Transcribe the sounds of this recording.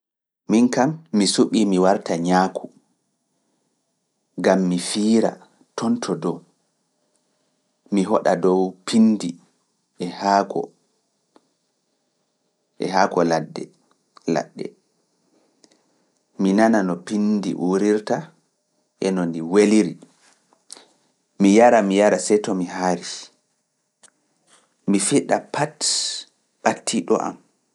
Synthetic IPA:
minkamːisuɓiːmiwaɾtaɲaːkʰu | ɡamːifiːɾa̰ | tʰɔntʰɔdɔ | miɦɔɗadɔwpʰindi | ɛhakɔ̰ | ʔɛ̰haːkɔladːɛ̰ | la̰ɗːɛ̰ | minananɔpindḭʔuɾiɾta | ʔɛnɔndiweliɾi | mijaɾamijaɾasɛjtɔmiɦaɾi | mifiɗapat | ɓatːiɗɔ̰ʔa̰m

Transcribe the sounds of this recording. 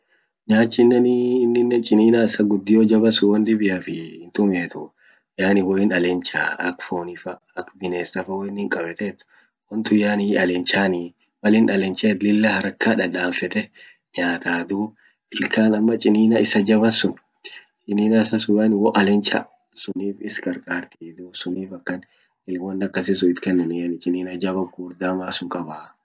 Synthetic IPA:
ɲaːt͡ʃːɪnːɛnːnːɪnːɛt͡ʃʼɪniːnaɪsɐɡʊd̪ːɪjoːd͡ʒɐbɐsʊwɐnd̪ɪbɪjɐfɪɪnt̪ʊmeːt̪ʰʊ | jaːnɪwɔɪnɐlɛnt͡ʃa̰ːɐkfoːnɪfɐ | ɐkbɪneːsɐfɐwɔɪnːɪŋkʼɐbɛt̪ɛt̪ːʊ̥ | wɐnt̪ʊjaːniɐlɛnt͡ʃaːni | wɐlɪnɐlɛnt͡ʃeːt̪lɪlːɐhɐɾɐkːaːᶑɐᶑaːɱfɛt̪ɛ | ɲaːt̪aːd̪uː | ʔɪlkʰaːnɐmːɐt͡ʃʼɪniːnɐɪsɐd͡ʒɐβɐsʊn | t͡ʃʼɪniːnɐɪsɐsʊjɐnwɔʔɐlɛnt͡ʃɐ̰ | sʊniːfɪskʼɐɾkʼaːɾt̪iːd̪usʊniːfɐkːɐn | ɪlwɔnːɐkːɐsɪsʊɪt̪kɛnːɛnɪjɐnɪt͡ʃʼɪniːnɐd͡ʒɐbɐɡuːɾd̪amaːsʊŋkʼɐbaː

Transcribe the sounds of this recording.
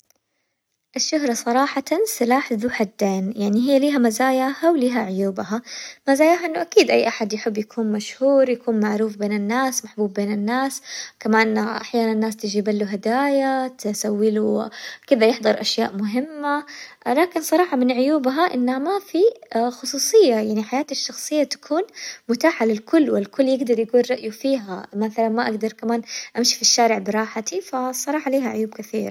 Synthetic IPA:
ʔɪʃːʊɦɾˤɑsˤɑɾˤɑːħɑt̪ansɪlaːħðuħad̪ːeːnjaʕniɦɪjːaliːɦamazaːjaːhawliːɦaʕʊjuːbhamazaːjaːɦaʔɪnːʊʔakiːd̪ʔajːʔaħad̪jaħɪbːjakʰuːnmaʃhuːɾjakuːnmaʕɾuːfbeːnɪnːaːsmaħbuːbːeːnɪnːaːskamaːnʔaħjaːnannːaːst̪ɪd͡ʒiːbalːuɦad̪aːjat̪ɪsawːɪlukɪðajɪħd̪ˤɑɾˤʔaʃjaːʔmʊɦɪmːa | laːkɪnsˤɑɾˤɑːħɑmɪnʕʊjuːbɦaʔɪnːhamafixʊsˤuːsˤɨjːajaʕniħajaːt̪aʃːɑxsˤɨjːat̪ḁkʰuːnmʊt̪aːħalɪlkʊlːwɪlkʊlːjɪɡd̪ɑɾˤjakuːnɾˤɑʔjufiːɦamaθalanmaʔaɡd̪ɑɾˤkamaːnʔamʃi̥fiʃːaːɾɪʕbɪɾˤɑːħat̪ifasˤɑɾˤɑːħɑliːɦaʕʊjuːb̚kɪθiːɾˤa

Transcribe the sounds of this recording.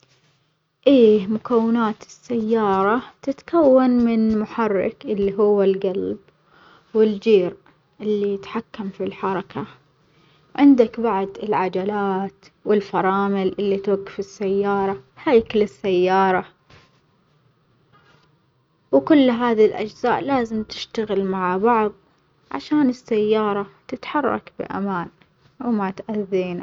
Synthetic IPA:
ʔeːmʊkawːɪnaːt̪ɪsːajːɑːɾˤɑt̪ɪt̪kawːanmɪnmʊħɑrˤːɑ̰kʔɪlːiɦʊwːalɡalb | wɪld͡ʒiːɾ | ʔɪlːijɪt̪ħakːamfilħɑɾˤɑkʰa | ʕɪnd̪akbaʕd̪ɪlʕad͡ʒalaːt̪wɪlfɑɾˤɑːmɪlʔɪlːit̪aɡfɪsːajːɑːɾˤɑhaːjklɪsːajːɑːɾˤɑ | wkʊlːɦaːðilʔa̰d͡ʒzaːʔlaːzɪmt̪ɪ̥ʃt̪aɣɪlmaʕabɑʕðˤ | ʕa̰ʃaːnɪsːajːɑːɾˤɑt̪ɪt̪ħɑrˤːɑ̰kbɪ̰ʔa̰maːn | wmat̪ʔaðːiːna

